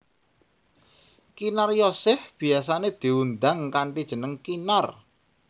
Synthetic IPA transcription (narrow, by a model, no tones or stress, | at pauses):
kinarjɔsɪfb̥i̤asaned̪̥i̤wund̪aŋkaɳʈid̥ʒ̥ə̤nəŋkinar